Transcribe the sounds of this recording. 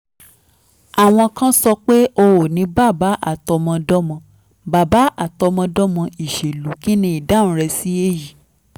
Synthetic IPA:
a˨w̃ɔ̃˧kã˦sɔ˧k͡pe˦o˧wo˨nĩ˨˦ba˦˨ba˨˦ʔa˦˨tɔ˧mɔ̃˧dɔ˦mɔ̃˧ | ba˨ba˨˦a˦˨tɔ˧mɔ̃˧dɔ˦mɔ̃˧i˨ʃe˨lu˨˦ki˦nĩ˧˦i˨da˦ñ̩˨˦ɾɛ˧si˦e˦ji˨

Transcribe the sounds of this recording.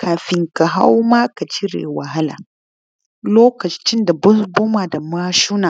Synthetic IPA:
kʰaː˨ɸɪ˨ŋka˨ɦa̰˦wmaː˦ka˨t͡ʃɪ˦ɾḛ˨wa˨ɦa˦la̰ː˨ | loː˦kɐ˨t͡ʃɪ˦nda˨bʊ˦sbʊ˦maː˨da˨ma˦ʃu˦naː˨

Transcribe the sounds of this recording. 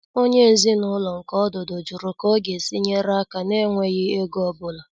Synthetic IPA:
o˦ɲe˦e˨zi˦nʊ˦lɔ˨ŋ̩˨kɔ˦dʊ˨do˨d͡ʒu˨ɾʊ˨kɔ˦ɡe˨si˦ɲe˦ɾa˦ka˨ne˦ŋʷe˦ɣɪ˦e˦ɡɔ˦bʊ˨la˨

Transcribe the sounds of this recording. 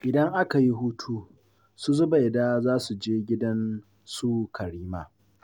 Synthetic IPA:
ʔɪ˨dɐ˦ŋʔa˦ka˨ji˦ɦuː˦tʰuː˦ | su˦zʊ˦ba˨jdaː˦zaː˦su˨d͡ʒeː˦ɡʲɪ˦dɐ˦n | su˦kʰɐ˨ɽiː˦ma˦˨

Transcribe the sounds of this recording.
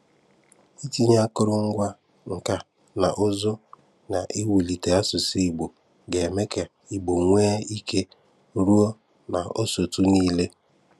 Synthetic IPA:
i˦ti˦ɲa˦kʊ˦ɾʊ˦ŋ̩˦ɡʷa˦ | ŋ̩˨ka˦ | na˨ʔʊ˦zʊ˦ | na˨ʔe˦wi˨li˨te˨a˦sʊ˨si˦i˨ɡ͡bo˨ | ɡe˨me˦ke˨ | i˨ɡ͡bo˨ŋʷe˦i˦kʰe˦ | ɾu˦o˦ | na˨o˦so˨tu˦niː˦le˦

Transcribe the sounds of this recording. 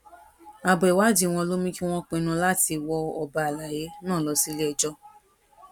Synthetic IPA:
a˧bɛ˨wa˦˨d͡ʒi˦w̃ɔ̃˧lo˦mĩ˦ki˦w̃ɔ̃˦k͡pẽ˧nũ˧la˦ti˧wɔ˧ɔ˧ba˧a˨la˨je˨˦nã˦˨lɔ˨˧si˦le˦ɛ˨d͡ʒɔ˦

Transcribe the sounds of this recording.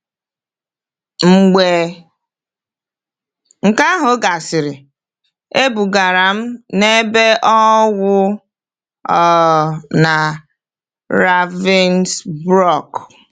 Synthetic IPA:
ŋ͡m̩˨ɡ͡be˨ | ŋ̩˨ka˦ɦʊ˨ɡa˨sɪ˨ɾɪ˨ | e˦bu˨ɡa˨ɾa˨m̩˦ne˦be˦ʔɔ˦wʊ˦ | ɔ˦na˨ | ɾa˦vi˦nsbɾɔ˦˨k

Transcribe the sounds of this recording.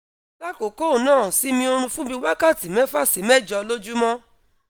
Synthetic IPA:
la˦ko˨ko˦˨nãː˦˨si˨˦mĩ˧o˧ɾ̃ũ˧fũ˦bĩ˧wa˦ka˦˨ti˨mɛ̃˦fa˦˨si˨˦mɛ˦˨d͡ʒɔ˧lo˦d͡ʒu˦mɔ̃˦

